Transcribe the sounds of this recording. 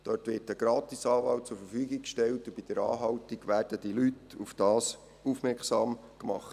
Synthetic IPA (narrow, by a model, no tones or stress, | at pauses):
d̥ɔɾtʋɪɾtəɡ̥ɾɑːt̪isɑːʋɑlt̚t͡sʊɾfəɾfyːɡikkʃtɛltʊb̥id̥əɾɑ̰ːɦɑwtiɡʋæːrd̥əd̥ilytufd̥ɑːs | ufmɛksɑːm | kmɑ̰χt